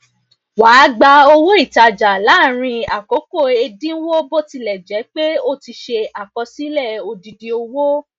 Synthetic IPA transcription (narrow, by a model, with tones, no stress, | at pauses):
waː˨˦ɡ͡ba˧o˧wo˦i˦˨ta˧d͡ʒa˨la˨˦˨ɾ̃ĩ˧a˨ko˨˦ko˦˨e˧dĩ˦wo˦bo˦ti˧lɛ˨d͡ʒɛ˨˦k͡pe˦o˦˨ti˧ʃe˧a˨kɔ˧si˨˦lɛ˦˨o˧di˧di˧o˧wo˦